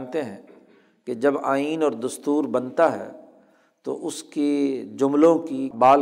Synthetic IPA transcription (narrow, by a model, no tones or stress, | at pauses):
nt̪eɦɛ̃ː | ked͡ʒɐbaːiːnɔːɾd̪ɐst̪uːɾbɐnt̪aɦɛ̰ː | t̪o̰ʔʊsked͡ʒʊmlõkibaːl